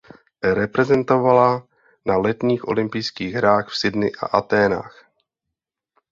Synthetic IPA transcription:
ɾɛpɾɛzɛnt̪o̞vala | nalɛt̪ɲiːxʔo̞̰lɪmpɪjskiːɣɦɾaːxfsɪdnɪʔa̰ʔat̪ɛːna̰ːx

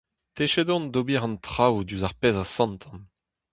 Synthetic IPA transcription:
t̪eʃedɔ̃nd̪obiʁɑ̃nt̪χawd̪yzaʁpezasɑ̃nt̪ʰɑ̃n

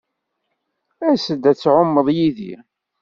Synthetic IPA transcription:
æsəd̪æt͡sːʕomːəðˤjiðḭ

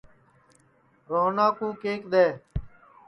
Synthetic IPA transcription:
ɾoːnaːkũːkeːkɗ̪eː

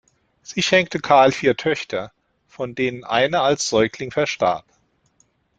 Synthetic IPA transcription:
z̥iːʃɛŋk̚təkʰaɐlfiːɐtʰœçtʰɐ | fɔndeːnənʔa̰ɪnɐalsz̥ɔʏklɪŋfɛɐʃta̰ːp

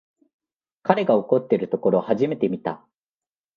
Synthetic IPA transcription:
kaɾe̞ɡao̞ko̞t̪ːe̞ɾɯ̟t̪o̞ko̞ɾo̞haʑime̞t̪e̞mʲit̪a̰

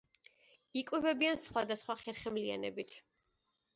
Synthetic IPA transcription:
ikʼwɛvɛbiansχwad̪asχwaχɛɾχɛmlia̰nɛ̰bit̪ʰ

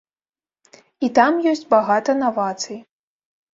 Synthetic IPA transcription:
it̪amjɔsʲt͡sʲbaɣat̪ɐnavat̪sɨj

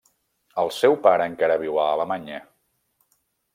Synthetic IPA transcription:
əlˠsɛwpaɾəːŋkaɾəβ̞iwaːləmaɲe

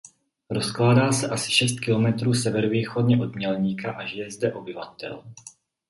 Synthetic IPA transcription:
ɾo̞sklaːdaːsɛʔasɪ̥ʃɛst̪̚kɪlo̞mɛt̪ɾuːsɛvɛɾoviːxo̞dɲɛʔo̞dmɲɛlɲiːkaʔaʒɪjɛzdɛʔo̞bɪvat̪ɛ̰l

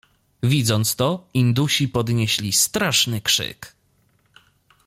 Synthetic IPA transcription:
vʲid̪zɔnt̪st̪ɔind̪uɕipɔd̪ɲeɕlʲist̪ɾaʂnɘkʂɘ̰k

